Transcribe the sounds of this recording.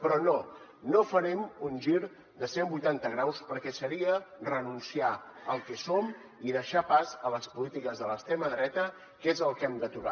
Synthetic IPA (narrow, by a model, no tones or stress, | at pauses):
pɾɔno | nofəɾɛmunʒiɾ | d̪əsembujt̪ant̪əɣɾawspəɾkɛsəɾiərənunsiaəlˠkɛsom | iðəʃapazələspulit̪ikəzðələst̪ɾeməðɾɛt̪ə | kezəlˠkɛmd̪ət̪uɣa̰